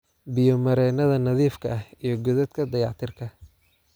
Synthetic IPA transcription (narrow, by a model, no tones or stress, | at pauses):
bɪjɔmɐɾɛːnɐðɐnɐðiːfkʰɐɐhijɞɡɔðɐd̪kʰɐd̪ɐjɑ̰ʕt̪ʰɪrkʰɐ